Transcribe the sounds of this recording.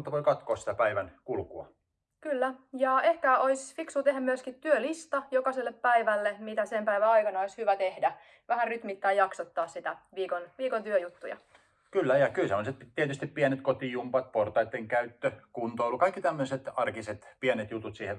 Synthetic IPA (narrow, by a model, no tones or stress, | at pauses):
ut̪ːɑʋoikɑt̪koːssi̥t̪æpæiʋænkulkuɑ̰ | kylːæjɑːehkæoisfiksut̪eɦæmyøskit̪t̪yølist̪ɑjokɑselːeppæiʋælːemit̪æsempæiʋæɑikɑnɑoishyʋæt̪ehdæ | ʋæhæryt̪mit̪ːæːjɑksot̪ːɑːssit̪æʋiːkonʋiːkont̪yøjut̪ːujɑ̰ | kylːæjɑkylsemːoset̪p̪t̪iɛt̪yst̪ippiɛnet̪̚kot̪ijumpɑt̪̚port̪ɑit̪ːeŋkæyt̪ːøkunt̪oilːukɑikːit̪æmːøset̪ɑrkiset̪piænet̪jut̪ut̪siːhe